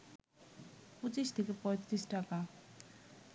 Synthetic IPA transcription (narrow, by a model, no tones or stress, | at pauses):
põt͡ɕiʃt̪ʰekepɔjt̪ɾisʈaka